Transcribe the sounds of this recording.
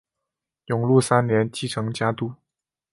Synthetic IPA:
jʊ˨˩ŋlu˥˩sa˥nnjɛ˧˥nt͡ɕi˥˩ʈ͡ʂʰɤ˧˥ŋt͡ɕja˥t̪u˥˩

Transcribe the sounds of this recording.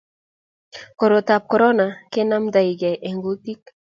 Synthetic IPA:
ko˨ɾo˨t̪a˨p̚kɔ˨ɾɔ˦na˨ke˦na˦md̪a˨i˨ɡɛ˨ʔe˨ŋɡu˦t̪i˦k̚

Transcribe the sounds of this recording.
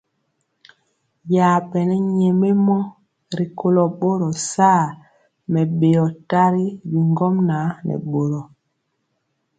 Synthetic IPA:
ja˨pɛ˨nɛ˦ɲɛ˨me˦mɔ˦ | ɾi˨kʰo˦lɔ˨ɓo˦ɾɔ˨saː˦˨ | mɛ˨ɓe˨jɔ˨ta˦ɾi˦bi˨ŋɡɔ˦mna˨˦nɛ̰˨ɓo˨ɾɔ˨

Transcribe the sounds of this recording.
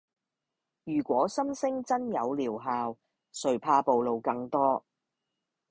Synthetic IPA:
jyː˨˩kʷɔː˨˥sɐ˥msɪ˥ŋt͡sɐ˥njɐ˨˧wliː˨˩wɦaː˨w | sɵ˨ɥpʰaː˧po˨wlo˨wkɐ˧ŋt̪ɔː˥

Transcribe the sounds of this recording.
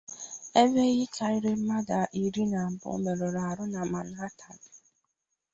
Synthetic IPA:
e˦ve˦ɣɪ˦t͡ʃa˨˦ɪ˦ɾɪ˦m̩˦ma˦da˨ʔi˨ɾi˦na˨m̩˨bʊ̰˦me˨ɾo˨ɾa˨a˨ɾʊ˦na˨ma˨n˦a˦tʰa˨dɪ˨

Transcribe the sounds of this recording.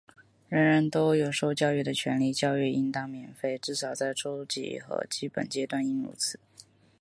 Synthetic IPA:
ɻə˧˥ŋɻə˧˥nt̪o˥ʊjo˨˩ʊʂo˥˧ʊt͡ɕjɑ˥˧ʊy˥˩d̪ə˩t͡ɕʰɥɛ˧˥nli˥˩t͡ɕjɑ˥˧ʊy˥˩i˥nt̪ɑ˥˩ŋmjɛ˨˩nfe˥˩ɪʈ͡ʂɻ̩˥˩ʂɑ˨˩ʊt͡sa˥˩ɪʈ͡ʂo˥ʊt͡ɕḭ˧˥˩xɤ̰˧˥t͡ɕi˥pə̰˨˩nt͡ɕjɛ˥t̪wa˥˧ni˥˧nṵ˥˩t͡sʰɹ̩˧˥˦

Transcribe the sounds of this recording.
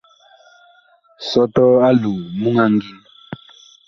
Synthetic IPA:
sɔ˦tɔ˦a˦lu˨mu˦ŋa˦ŋɡi˦

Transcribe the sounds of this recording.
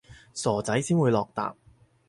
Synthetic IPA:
sɔː˨˩t͡sɐ˨˥jsiː˥nwuː˨˧jlɔː˨k̚t̪a̰ː˨p̚

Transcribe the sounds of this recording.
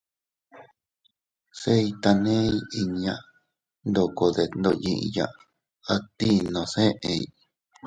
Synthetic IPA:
se˦i˧t̪a˧nẽ˦i˦i˧ɲ˧ã˧˨ | nd̪o˧˨ko˧ðe˧nd̪o˧ɲḭ̃˧ʔḭ̃˧jã̰˧ʔ | a˧t̪i˦nõ˧sẽ˦ʔe˧i˧

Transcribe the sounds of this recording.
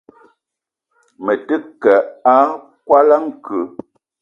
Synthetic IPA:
mə˨tɨ˦kɛ˨a˦ | kwa˦la˦ŋ̩˨kʉ˨

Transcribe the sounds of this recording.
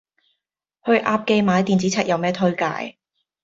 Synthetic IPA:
hɵ˧ɥʔaː˧p̚ke˧jmaː˨˧˥jt̪iː˨˩nt͡si˨˥t͡sʰɛː˨˧k̚jɐ˨wmɛː˥t̪ʰɵ˥ɥka̰ː˧j

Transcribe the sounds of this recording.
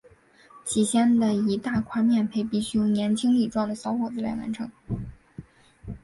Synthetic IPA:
t͡ɕʰi˨˩ɕjɛ˥nd̪ə˨i˧˥t̪a˥˩kʰwa˥nmjɛ˥˩npʰe˧˥˩ɪpi˥˩ɕy˥jo˧˩ŋnjɛ˧˥nt͡ɕʰi˥ŋli˥˩ʈ͡ʂwɑ˥˩ŋd̪ə˩ɕjɑ˧˥ʊxwɔ˨˩d͡zɹ̩˥la˧˥ɪwa̰˧˥nʈ͡ʂʰɤ˧˥ŋ

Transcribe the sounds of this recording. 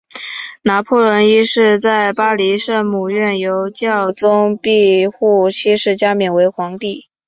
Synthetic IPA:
na˧˥pʰu˥˩lwə˧˥ni˥ʂɻ̩˥˧t͡sa˥˩ɪpa˥li˧˥ʂɤ˥˩mu˨˩ɥɛ˥˩njo˧˥ʊt͡ɕjɑ˥˩ʊt͡sʊ˥ŋpi˥˧xu˥˩t͡ɕʰi˥ʂɻ̩˧˩t͡ɕja˥mjɛ˨˩we˧˥ɪxwɑ˧˥ŋt̪i˥˩

